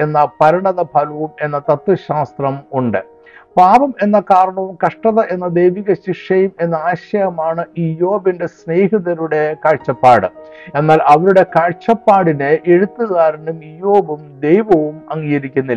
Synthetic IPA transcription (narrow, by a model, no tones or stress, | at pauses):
e̞nːɐpɐɾɐɳɐðɐbʱɐlɐʋume̞nːɐt̪ɐt̪ːɨɕaːst̪rɐmuɳɖɨ | paːbɐme̞nːɐkaːɾɐɳɐʋumkɐʂʈɐðɐʔe̞nːɐd̪e̞jʋiɣɐɕiʂɐjume̞nːɐaːɕɐjɐmaːɳɨijo̞ːbinde̞sneːɦiðɐɾuɽe̞kɐɻt͡ɕːɐpːaːɽɨ̰e̞nːaːlʔɐʋɐɾuɽe̞kɐɻt͡ɕɐpːaːɽineʔeɻut̪ːuɣaːɾɐnumijo̞ːbumd̪e̞jʋɐʋumɐŋːiːɣɐɾikʲːunːi